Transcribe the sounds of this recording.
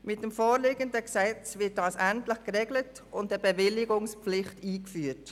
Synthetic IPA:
mɪt̚dɛmfoːɾlɪːɡəndəksɛt͡svɪt̚d̥ɑːsæntlɪχɡ̥əʁeːɡlət | ʊntəbəvɪlɪɡʊŋspp͡flɪχtiːkfyːt

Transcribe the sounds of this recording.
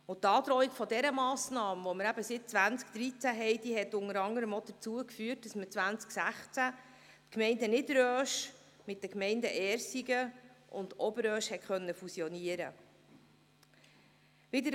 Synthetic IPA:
ʊtːɑːd̪ɾɔːikfɔdɛɾəmɑːsnɑːmʋɔməɾæbəsɪt̚t͡sʋænt͡skd̪̥ɾit͡sæɦɛɪd̥iɦɛt̪ːʊŋəɾɑŋəɾəmɔd̥̪ət͡suəkfyːt̚d̥ɑsmət͡sʋænt͡sksæχt͡sæ | t̪kmɛɪndənɪdɾøːʃ | mɪt̚dəkmɛɪndə̰ʔɛːɾsiɡəʔʊ̰ndɔbəɾœːʃhɛtχœnːəfusjɔniəɾə̰ | ʋɪd̪əɾ

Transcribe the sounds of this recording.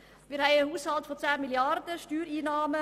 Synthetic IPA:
miːɾhæɪəhuːshaltfɔt͡saːmiljardəʃtyːɾiːnaːmə

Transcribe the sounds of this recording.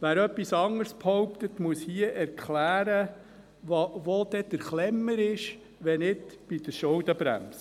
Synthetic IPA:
ʋæːɾœpːisɑŋəɾsphɔwpt̪ət̪muəshiəʔɛɾkχlæːɾə | ʋɑʋod̥̪ɛd̪̥əɾχlɛmːəɾɪʃ | ʋɛnɪdb̥id̪̥əʃowd̪əbɾæ̰ms

